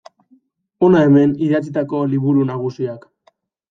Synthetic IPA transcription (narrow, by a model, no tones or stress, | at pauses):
o̞nae̞me̞niðat͡sit̪ako̞liβuɾunaɣ̞usiak